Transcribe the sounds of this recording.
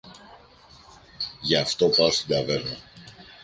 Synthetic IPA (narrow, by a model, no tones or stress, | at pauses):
ʝɐːft̪o̞pɐost̪id̪ɐve̞ɾnɐ